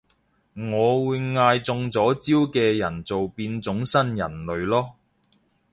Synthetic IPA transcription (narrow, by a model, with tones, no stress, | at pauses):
ŋɔː˨˧wuː˨˧jŋaː˧jt͡sʊ˧ŋt͡sɔː˨˥t͡siː˥wkɛː˧jɐ˨˩nt͡so˨wpiː˧nt͡sʊ˨˥ŋsɐ˥njɐ̰˨˩nlɵ˨˧ɥlɔː˥